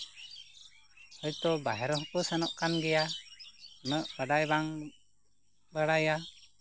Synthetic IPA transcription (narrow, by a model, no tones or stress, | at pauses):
həjt̪ɔbaɦɛɾɔɦpəsanɔʔkanɡɛja | nəʔəɖajbaŋ | bəɽaja